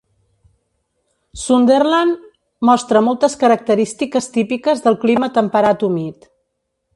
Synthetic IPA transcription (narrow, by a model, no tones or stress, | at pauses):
sund̪erlan | mɔst̪ɾəmɔlˠt̪əskəɾək̚t̪əɾist̪ikəst̪ipikəzðəlˠklimət̪əmpəɾat̪umit̪